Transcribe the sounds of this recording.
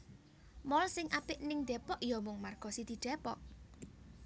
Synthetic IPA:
mɔlsɪŋʔapɪʔnɪŋd̪̥ɛpɔʔjɔmʊŋmarɡ̥ɔsid̪̥i̤ɖ̥ɛ̤pɔʔ

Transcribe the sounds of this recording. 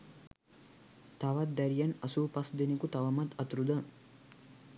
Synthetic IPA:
t̪aʋat̪̚d̪æɾijanɐsuːpɐsd̪enikut̪aʋɐmat̪ɐt̪ɾud̪ə

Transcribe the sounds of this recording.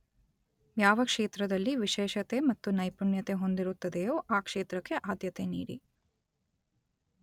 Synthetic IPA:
jaːʋɐkʂeːt̪ɾɐd̪ɐlːiʋiʃɛːʃɐt̪e̞mɐt̪ːunɐjpunjɐt̪e̞ɦond̪iɾut̪ːɐd̪ejoːʔaːkʂeːt̪ɾɐkːe̞ʔaːd̪jɐt̪enḭːɾḭ

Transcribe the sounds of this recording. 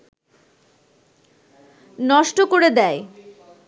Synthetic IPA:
nɔʃʈokoɾed̪ɛe

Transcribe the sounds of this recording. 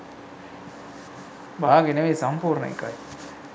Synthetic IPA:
baːɡɪnɐʋesɐmpuːɾɐnɐ̰kːa̰ːj

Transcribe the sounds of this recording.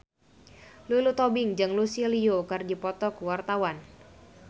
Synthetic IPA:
lulut̪ɔbɪŋd͡ʒɨŋlusiliokɨrdipɔt̪ɔkwart̪awan

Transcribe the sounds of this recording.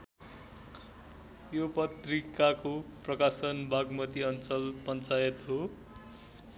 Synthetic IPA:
jopʌt̪rikakoprʌkasʌnbʱaɡmʌt̪iʌnt͡sʌlpʌnt͡sajʌt̪ɦo

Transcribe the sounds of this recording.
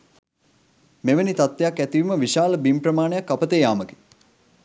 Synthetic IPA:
meʋənit̪at̪ːejakːæt̪iʋiməʋiʃaːləbimprəmaːnejakːapət̪ejaːməke̥

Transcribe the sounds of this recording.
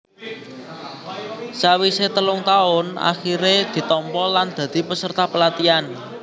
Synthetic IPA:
sawiset̪əlʊŋt̪aʊna̰xiɾed̪̥i̤t̪ɔmpɔland̪̥ä̤d̪̥i̤pəsərt̪apəlat̪ian

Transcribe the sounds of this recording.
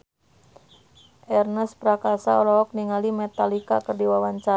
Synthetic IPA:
ʔɛrnəspɾakasaɔlɔɔk̚niŋalimɛt̪alikakərdiwawaɲt͡ʃa

